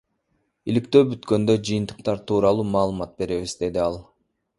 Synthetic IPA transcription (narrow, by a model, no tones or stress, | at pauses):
ilikt̪ø̞ːbyt̪kø̞nd̪ø̞d͡ʒɯjɯnt̪ɯ̥qt̪ɑɾt̪ʰuːɾɑlˠuːmɑːlˠɯmɑt̪̚be̞ɾe̞ʋizd̪e̞d̪iɑlˠ